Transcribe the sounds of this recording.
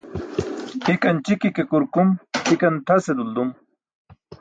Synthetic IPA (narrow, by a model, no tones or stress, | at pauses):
hikɐnt͡ɕikikekuɾkumhikɐnt̪ʰɐsed̪uld̪um